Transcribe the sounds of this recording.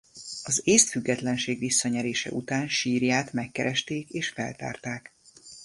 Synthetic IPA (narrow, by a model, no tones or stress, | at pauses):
ɒzeːst̪fyɡːɛt̪lɛnʃeːɡʋisːɒɲɛɾeːʃɛ̰ʔut̪aːnʃiːrjaːt̪mɛkːɛɾʔɛʃt̪eːkeːʃfɛ̰lt̪a̰ːrt̪aːk